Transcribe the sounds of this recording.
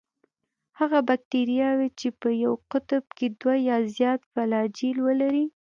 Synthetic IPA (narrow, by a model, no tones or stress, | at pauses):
haɣabak̚t̪eɾijɑwet͡ʃepəjawqʊt̪əb̚ked̪wajɑzjɑt̪falɑd͡ʒilwəlaɾi